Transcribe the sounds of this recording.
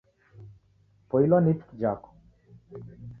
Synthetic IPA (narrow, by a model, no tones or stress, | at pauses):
pojlɔnit̪d͡ʒak